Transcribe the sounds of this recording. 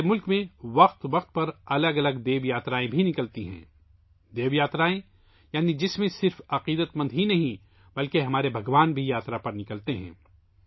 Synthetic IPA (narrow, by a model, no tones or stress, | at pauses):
mʊlkmẽʋɐqt̪ʋɐqt̪̚pɐɾɐləɡɐləɡd̪eːʋjaːt̪ɾaːẽbʱinɪkəlt̪iɦɛ̰̃ː | d̪eːʋjaːt̪ɾaːẽ | jaːnid͡ʒɪsmẽsɪɾfɐqiːd̪ət̪mə̃nd̪ɦinɐɦĩ | bɐlkeɦɐmaːɾebʱɐɡʋaːnbʱijaːt̪ɾapɐɾnɪkəlt̪eɦɛ̰̃ː